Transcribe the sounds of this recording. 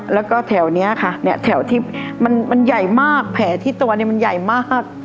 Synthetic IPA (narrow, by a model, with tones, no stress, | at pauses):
lɛː˦˥wkɔː˥˩t̪ʰɛː˩˦wni˦˥ɐkʰa˥˩ni˥˩ɐt̪ʰɛ˩˦wt̪ʰiː˥˩ma˧nma˧nja˨˩jmaː˥˩k̚pʰɛː˩˦t̪ʰiː˥˩t̪u˧ɐni˧˥˩ma˧nja˨˩jmaː˥˩k̚